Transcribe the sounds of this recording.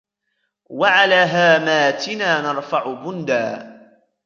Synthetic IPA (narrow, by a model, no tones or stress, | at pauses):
waʕalaːɦaːmaːt̪ɪnaːnɑɾˤfɑʕʊbʊnd̪aː